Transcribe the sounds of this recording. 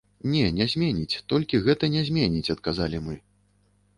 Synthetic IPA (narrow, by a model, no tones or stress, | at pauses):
nʲɛnʲɛzʲmʲɛnʲit͡sʲt̪ɔlʲkʲiɣɛt̪ɐnʲɛzʲmʲɛnʲit͡sʲɐt̪kazalʲimɨ